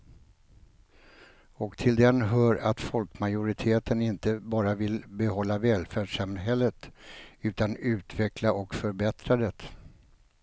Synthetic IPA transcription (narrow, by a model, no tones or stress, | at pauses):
ɔkt̪ʰɪld̪ɛnɦœːɾat̪fɔlkmajʊɾɪt̪ʰeːt̪ənɪnt̪əbɑːɾavɪlbɛhɔlːavɛːlfæːɖʂamɦɛlːət̪ʉ̟ːt̪anʉ̟ːt̪vɛklaʔɔkfœɾbɛt̪ɾad̪ɛt̪